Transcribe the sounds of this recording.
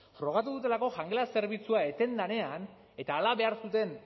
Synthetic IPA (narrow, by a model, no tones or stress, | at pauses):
fɾo̞ɣ̞at̪̬uðut̪e̞lako̞ʝaŋɡelase̞ɾβ̞it͡suae̞t̪e̞nd̪ane̞an | e̞t̪aːlaβe̞aɾsut̪e̞n